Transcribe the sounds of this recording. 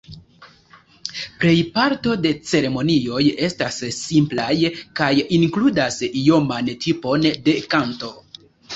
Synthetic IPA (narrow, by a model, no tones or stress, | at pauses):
pɾe̞jpaɾto̞de̞t͡se̞ɾe̞mo̞nio̞je̞stasːimplajkajiŋkludasijo̞mantʰipo̞nde̞kanto̞